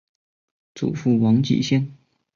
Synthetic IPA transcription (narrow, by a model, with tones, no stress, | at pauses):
t͡sṵ˨˩fu˥˩wɑ˧˥ŋt͡ɕḭ˨˩ɕjɛ˥ŋ